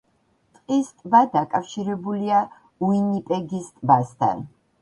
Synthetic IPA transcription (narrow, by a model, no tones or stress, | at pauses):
t̪ʼqʼist̪ʼbad̪akʼafʃiɾɛbulia | uinipʼɛɡist̪ʼbast̪ʰa̰n